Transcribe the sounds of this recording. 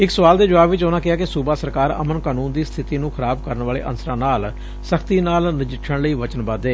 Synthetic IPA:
ɪksəʋaːld̪eːd͡ʒʊʋaːbɪt͡ʃonãːkɪaːkɪsubaːsəɾkaːɾə̰mənkaːnuːnd̪iːst̪ʰɪt̪iːnũːxʰəɾaːbkəɾənʋaːlḛːʔə̰nsəɾãːnaːl | səkʰt̪iːnaːlnɪd͡ʒɪʈʰːəɳləiːʋət͡ʃənbaːd̪eː

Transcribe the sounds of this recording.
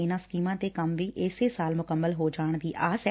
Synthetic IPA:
eːnãːskiːmãːt̪eːkəmʋiːʔɪːseːsaːlmʊkəmːəlɦoːd͡ʒaːɳ̃d̪iːʔaːsɛ

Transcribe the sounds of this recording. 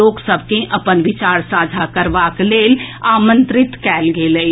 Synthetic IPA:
oːksəb̚ʱkẽʔɐpənʋɪt͡ʃaːɾsaːd͡ʒʱakəɾʋakleːlaːmə̃nt̪ɾɪt̪kɛːlɡeːləi

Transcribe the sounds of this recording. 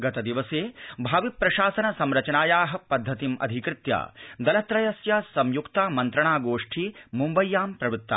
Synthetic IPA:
ɡɐt̪ɐd̪iʋɐseːbʱaːʋipːɾɐʃaːsɐnɐsɐmɾɐt͡ʃɐnaːjaːɦɐ̆pɐd̪ʱːɐt̪imɐ̰d̪ʱikɾɪt̪ja̰ːd̪ɐlɐt̪ɾɐjɐsjɐsɐmjukt̪aːmɐnt̪ɾɐɳaːɡoːʂʈʰimumbɐjːaːmpɾɐbiut̪ːa̰ː

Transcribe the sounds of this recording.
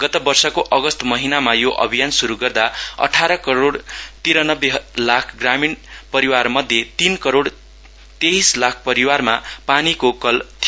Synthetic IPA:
ɡ̥ʌt̪ʌbʌrsʌkoʔʌɡʌst̪mʌɦinamajoʔʌ̰bʱijansuɾuɡʌrd̪aʌ̰ʈʰaɾʌkʌɾoɽt̪iɾanʌbːelakʰɡraminpʌɾiwarmʌd̪ʱjet̪inkʌɾoɽ | t̪eɦislak̚ʰpʌɾiwarmapanikokʌlt̪ʰi

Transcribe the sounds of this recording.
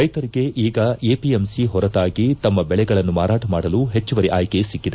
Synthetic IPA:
ɾɐjt̪ɐɾiɡe̞ʔiːɡɐeːpiemsiɦɔɾɐt̪aːɡit̪ɐmːɐbɛɭɛɡɐɭɐnːumaːɾaːʈɐmaːɽɐluɦet͡ʃːuʋɐɾiʔaːjkesikːid̪e

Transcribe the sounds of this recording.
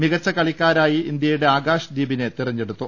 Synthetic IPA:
miɣɐt͡ɕːɐkɐɭikʲːaːɾaːjiind̪jɐjuɽe̞aːɡaːʂɐd̪iːbine̞t̪irɐɲːe̞ɽut̪ːu

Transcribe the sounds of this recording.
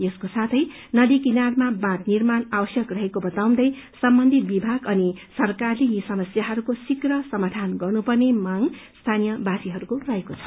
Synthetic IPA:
jʌskosat̪ʰʌj | nʌd̪ikinarmabãt̪nirmanabʌsjʌkrʌɦekobʌt̪aw̃d̪ʌj | sʌmbʌnd̪ʱit̪̚bibʱaɡʌnisʌrkarlejisʌmʌsjaɦʌɾukosikrʌsʌmad̪ʱanɡʌrnupʌrnemaŋst̪ʰanijʌbãsiɦʌɾukorʌɦekot͡sʰʌ̥

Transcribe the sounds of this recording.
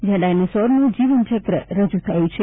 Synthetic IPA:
d͡ʒjãɖajnesɔɾnũd͡ʒiʋənt͡ʃəkɾə̰ɾəd͡ʒut̪ʰajũt͡ʃʰe

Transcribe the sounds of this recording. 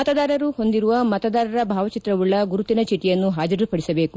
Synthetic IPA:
mɐt̪ɐd̪aːɾɐɾuho̞nd̪iɾuʋɐmɐt̪ɐd̪aːɾɐɾɐbʱaːʋɐt͡ʃit̪ɾɐʋuɭːɐɡuɾut̪inɐt͡ʃiʈːijɐnːuɦaːd͡ʒɐɾupɐɽisɐbe̞ːku

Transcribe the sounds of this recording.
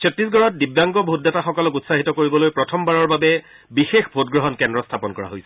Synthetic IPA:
sɔtɹisɡɔɹɔt̚dibjaŋɡɔbʱot̚dɛtaxɔkɔlɔkutsaɦitɔkoɹibɔlojpɹɔtʰɔmbaɹɔɹbabɛ | bixexbʱotɡɹɔɦɔnkɛndɹɔstʰapɔnkɔɹa̰ɦojsɛ̥

